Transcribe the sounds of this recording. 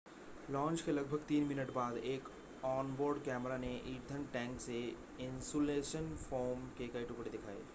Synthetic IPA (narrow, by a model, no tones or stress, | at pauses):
lɔ̃ːnt͡ʃkelɐɡ̚bʱəɡt̪iːnmɪnəʈbaːd̪eːk | ɔːnboːɾɖkɛːmɾaneʔiːɾd̪ʱənʈɛ̃ːŋkse | ɪ̃nsoleːʃənfʰoːɾmkekɐiʈʊkɽed̪ɪkʰaːḛː